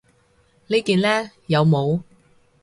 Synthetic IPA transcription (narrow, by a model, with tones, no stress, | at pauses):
liː˥kiː˧nlɛː˥ | jɐ˨˧wmo˨˧w